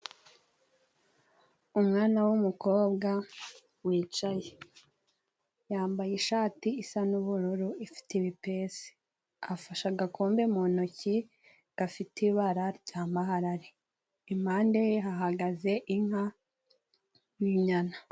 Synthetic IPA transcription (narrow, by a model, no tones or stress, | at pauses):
umŋaːnawumuko̞ːbɡa | wiːt͡ʃaje | jaːmbajiʃaːtiːsanuβuɾuɾuifi̥teiβipe̞se̥ | afaʃaɡakoːmbemonoci | ɡ̥afitiβaɾaɾɟaːmaɦaɾaɾe | imhaːndejeɦaɦaɡaze̞ʔiŋha | juɲana